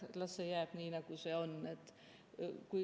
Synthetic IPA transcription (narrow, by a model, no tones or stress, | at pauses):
lɑsejæːb̥niːnɑɡ̥use̞o̞ne̞t̪ːˑ | kuj